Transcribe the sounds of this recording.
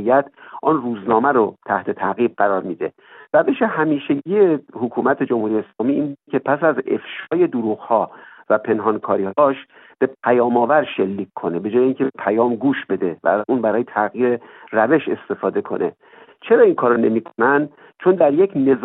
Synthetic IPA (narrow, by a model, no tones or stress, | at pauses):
ijæt̪ʰʔɒnruːznɒːmæɾot̪ʰæht̪ʰe̞t̪ʰæɣiːb̚ɢæɾɒːɾmiːd̪e̞ | ræve̞ʃe̞hæmiːʃeɟiːe̞hokʰuːmæt̪ʰe̞d͡ʒomhuːɾijeeːslɒːmiːinbud̪cʲʰe̞pʰæsæze̞̰fʃɒːje̞d̪oɾuːɣhɒːvæpʰe̞nɦɒnkʰɒːɾiːhɒːʃ | b̥e̞pʰæjɒːmɒːvæɾʃelːiːkʰkʰːo̞ne̞be̞d͡ʒɒːjeiːŋcʲʰebepʰæjɒːmɡuːʃbe̞d̪e̞væ̰ʔuːnbæɾɒːjet̪ʰæɣiːɾe̞ræve̞ʃe̞̰st̪e̞fɒːd̪e̞kʰo̞̰nʔe̞̰ | t͡ʃʰe̞ɾɒːinkʰɒːɾone̞miːkʰonænd̪ | t͡ʃʰo̞nd̪æɾje̞cʰne̞z